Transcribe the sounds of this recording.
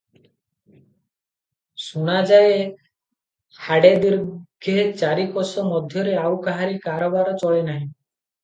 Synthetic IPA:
sunad͡ʒaje | haɽed̪iɾɡ̥ʱeɦt͡ʃaɾikɔsɔmɔd̪ʱjɔɾeawkaɦaɾikaɾɔbaɾɔt͡ʃɔɭenaɦĩ

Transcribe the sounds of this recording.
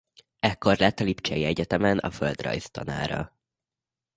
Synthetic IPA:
ɛkːo̞rlɛt̪ːɒlipt͡ʃɛjiɛɟɛt̪ɛmɛnɒ̰føld̪rɒ̰jst̪ɒ̰na̰ːɾɒ̰

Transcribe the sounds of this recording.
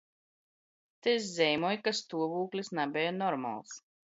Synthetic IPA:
t̪eszɛjmɔjkast̪uɔvuːklʲisnabʲɛjɔnɔɾma̰lˠs

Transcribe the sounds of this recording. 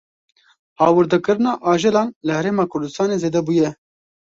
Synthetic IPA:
hɑːwɨɾd̪ɨkɨɾɨnɑːʔɑːʒɨlɑːnlɨhɛɾeːmɑːkʰʊɾd̪ɨst̪ɑːneːzeːd̪ɛbuːjɛ

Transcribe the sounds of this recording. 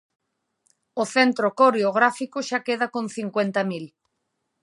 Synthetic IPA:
oθent̪ɾokoɾeoɣ̞ɾafikoʃakeðakõn̟θiŋkwent̪amil

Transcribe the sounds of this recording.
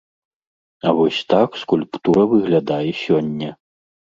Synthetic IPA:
ɐvɔsʲt̪akskulʲpt̪uɾɐvɨɣlʲad̪ajɛsʲɔnʲːɐ

